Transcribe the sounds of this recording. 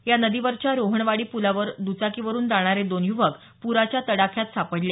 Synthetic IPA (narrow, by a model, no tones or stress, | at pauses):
janəd̪iʋəɾt͡ɕjaɾoɦəɳʋaɽiːpulaʋəɾd̪ut͡sakiʋəɾuːnd͡z̪aɽ̃aɾed̪onjuʋək | puɾat͡ɕjat̪əɽakʰjat̪sʰapəɽlje